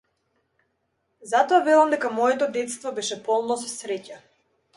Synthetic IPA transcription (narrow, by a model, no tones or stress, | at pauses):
zat̪ɔavɛlˠamd̪ɛkamɔjɛt̪ɔd̪ɛt̪st̪vɔbɛʃɛpɔlˠnɔsɔ̥sɾɛca